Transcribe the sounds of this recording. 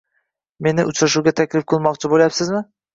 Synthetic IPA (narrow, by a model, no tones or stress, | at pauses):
me̞nɪʔʊt͡ʃɾaʃuɡʲat̪ʰækʲlɪfqʰɨlˠmɒqt͡ʃʰɪbolʲˠjapsɪzmɪ